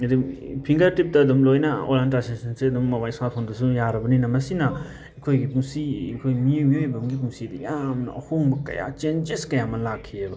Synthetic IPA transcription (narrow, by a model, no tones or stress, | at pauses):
ɐdupʰiŋɡɐɾtip̚tɐːdumlojnɐo̰lantasensɐnseɐdumːɐbajsat̚pʰandɐsujaɾɐbɐninɐmɐsinɐ | ekʰojɡipuŋsikʰojmijmiojbɐmɡip̬uŋsidɐ̰jamnɐ̰ɐ̰hoŋbɐkɐ̰ja̰t͡ʃend͡ʒeskɐjamɐlakʰːiebɐ